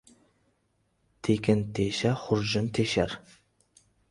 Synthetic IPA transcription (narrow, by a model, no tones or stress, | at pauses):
t̪ʰekʰʲɪnt̪ʰeʃaχʊɾʒɨnt̪ʰeʃæɾ